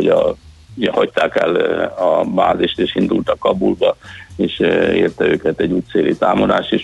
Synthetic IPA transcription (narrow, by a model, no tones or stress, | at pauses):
oɟɒ | ɛhɒct̪aːkɛ̰lɒba̰ːziʃt̪eːʃind̪ult̪ɒkːɒbulbɒeːʃḛːrt̪ɛøːkɛt̪ɛɟːuːtt̪seːlʔit̪aːmo̞d̪a̰ːʃt̪eːʃ